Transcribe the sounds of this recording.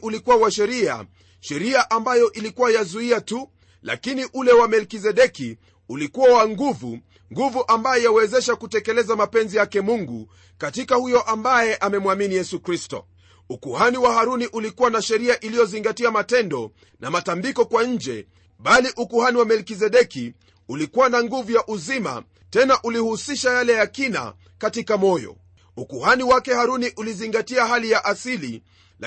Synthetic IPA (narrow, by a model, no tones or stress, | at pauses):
ʔulikuwawaʃɛɾia̰ | ʃɛɾiaʔambajɔʔilikuwajazuiatu | la̰kiniʔulɛwamɛlkizɛɗɛki | ulikuwawaŋɡuvṵ | ŋɡuvuʔambajɔjawɛzɛʃakutɛkɛlɛzamapɛnzijakɛmuŋɡṵ | katikahujɔʔambajɛʔamɛmwaminijɛsukɾistɔ̰ | ukuhaniwaɦaɾuniʔulikuwanaʃɛɾiaʔilijɔziŋɡatiamatɛndɔ | namatambikɔkwaɲ̩d͡ʒɛ̰ | ɓaliʔukuhaniwamɛlkizɛɗɛki | ulikuwanaŋɡuvujaʔuzima̰ | tɛnaʔulihusiʃajalɛjakina̰ | katikamɔjɔ̰ | ukuhaniwakɛhaɾuniʔuliziŋɡatiaɦalijaʔasilḭ | l